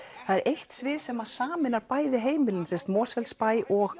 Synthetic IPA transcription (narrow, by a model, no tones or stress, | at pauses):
θaðɛɾʔejht̪svɪːɾ̥sɛmaðsaːmɪnaɾpaːjðɪɦeːjmɪlɪnsɛst̪mɔːsvɛlspaːjɔɣ